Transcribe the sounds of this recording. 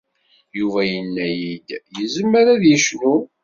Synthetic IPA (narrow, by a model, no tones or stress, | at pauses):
juvæjənːæjid̪jəzəmːəɾæðjəʃnu